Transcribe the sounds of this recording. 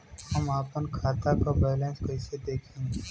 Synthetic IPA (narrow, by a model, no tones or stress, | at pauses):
həmaːpənkʰaːt̪akabɛːlẽːnskəɪsed̪eːkʰẽːŋ